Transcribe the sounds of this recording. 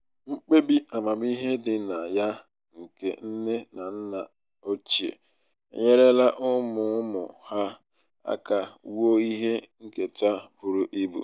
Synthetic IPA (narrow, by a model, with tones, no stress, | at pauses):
ŋ͡m̩˦k͡pe˦bi˦a˨ma˨bi˦ɦe˦dɪ˨na˨ja˦ | ŋ̩˨kḛ˨n̩˦ne˦na˨n̩˦na˨ | o˦t͡ʃi˨ḛ˨˦˨ | ɲe˦ɾe˦la˦ʔʊ˦mʊ˨˦mʊ˨ha˦ | a̰˦ka˨˦wo˦i˦ɦe˦ŋ̩˦ke˨ta˦bʊ˨ɾu˨ʔi˦bṵ˨